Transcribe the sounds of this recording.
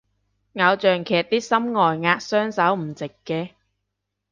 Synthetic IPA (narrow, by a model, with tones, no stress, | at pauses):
ŋa˨˧wt͡ʃœː˨ŋkʰɛː˨˩t̚t̪iː˥sɐ˥mŋɔː˨jŋaː˧k̚sœː˥ŋsɐ˨˥wm̩˨˩t͡sɪ˨kːɛː˧